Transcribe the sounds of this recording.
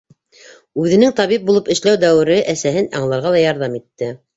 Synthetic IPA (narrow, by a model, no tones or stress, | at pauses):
ʉðɘ̆nɘŋt̪ɑβip̚bulˠɤpɘ̆ʃlæwd̪æwɘ̆ɾɘʔæsæɦɘnɑ̰ɴlˠɑɾʁɑlˠɑjɑɾðɑmit̪ːɘ